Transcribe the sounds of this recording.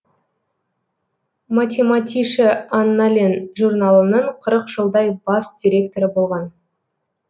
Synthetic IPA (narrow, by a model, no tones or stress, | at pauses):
mat̪ʲe̞mat̪ʲiʃəanːalʲenʒurnɑlˠənəɴqʰəɾəqʒəlˠd̪ɑjbɑsd̪ʲiɾʲe̞kt̪o̞ɾəbo̞lˠʁɑn